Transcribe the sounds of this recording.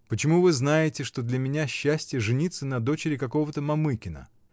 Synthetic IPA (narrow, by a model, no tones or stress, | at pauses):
pət͡ɕɪmuvɨznajɪtʲɪʂt̪o̞d̪lʲɐmʲɪnʲaɕːæsʲtʲjəʐɨnʲit̪sːənɐd̪o̞t͡ɕɪɾʲɪkɐko̞vət̪əmɐmɨkʲɪnə̰